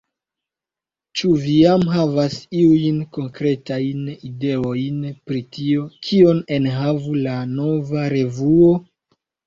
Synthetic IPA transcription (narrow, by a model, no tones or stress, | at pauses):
t͡ʃuvijamɦavasiujnko̞ŋkɾe̞tajnide̞ojnpɾitio̞kʰio̞ne̞nɦavulano̞vaɾe̞vuo̞